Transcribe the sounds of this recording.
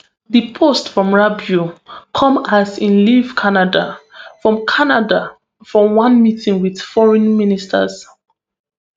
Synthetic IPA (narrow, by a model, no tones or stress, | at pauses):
ðəpʰostfɹɔ̃mɹabjukʰɔ̃mazĩnliv̥kʰanadafɹɔ̃mkʰanada | fɹɔ̃wãnmitĩŋwið̥fɔɹɛ̃nministʰə̰z